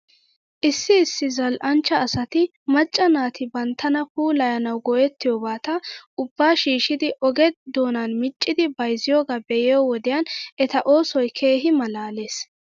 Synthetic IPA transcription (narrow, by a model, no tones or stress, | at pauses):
ʔɪsːɪːsːɪzɐlʔɐnt͡ʃːɐːsɐt̪ɪ | mɐt͡ʃʼːɐnaːt̪ɪbɐnt̪ʰːɐnɐpuːlɐjɐnɐwɡɔjɛt̪ːɪjoːbaːt̪ɐʊbːaːʃiːʃɪd̪ɪʔɔɡɛd̪o̞ːnɐnmɪt͡ʃʼːɪd̪ɪbɐjzɪjoːɡaːbɛjɪjowɔd̪ɪjɐnɛt̪ɐʔo̞ːsɔjkʰe̞ːɦɪmɐlaːleːs